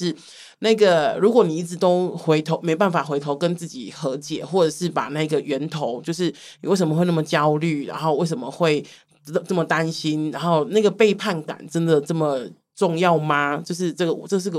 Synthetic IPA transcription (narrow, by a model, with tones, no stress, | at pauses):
ʂɻ̩˥˧ | na˥˩ɡə˩ɻu˧˥kwɔ˨˩ni˨˩i˥˩ʈ͡ʂɻ̩˧˩t̪o˥ʊxwe˧˥ɪt̪ʰo˧ʊme˧˥ɪpa˥˩nfa˨˩xwe˧˥ɪt̪ʰo˧˥ʊkə˦nt͡sɹ̩˥˩t͡ɕḭ˨˩xɤ˧˥t͡ɕjɛ̰˨˩xwɔ˥˩ʈ͡ʂɤ˨˩ʂɻ̩˥˩pa̰˨˩na˥˧ɡə˨˩ɥɛ˧˥nt̪ʰo˧˥ʊt͡ɕjo˥˧ʊʂ̬ɻ̩˥˩ | ni˨wʂə˧˦mə˧xwna˥˩mə˩t͡ɕjɑ˦˥ʊly˥˩ɻa̰˧˦nxo˥˧ʊwe˥˩ɪʂ̬ə˧˦mə˨xwe˥˩ɪ˥˩ | ʈ͡ʂə˥˩mə˨˩t̪a˦˥nɕi˦˥nɻa˧˦nxo˥˧ʊna˥˩ɡə˩pe˥˧ɪpʰa˥˩nka̰˨˩˦nʈ͡ʂə˦˥nd̪ə˨ʈ͡ʂə˥˩mə˨˩ | ʈ͡ʂʊ˥˧ŋjɑ˥˩ʊma˦t͡ɕjo˥˧ʊʂ̬ɻ̩˥˧ʈ͡ʂɤ˥˩ɡə˩wɔ˨˩ʈ͡ʂɤ˥˧ʂ̬ɻ̩˥˧˥ɡ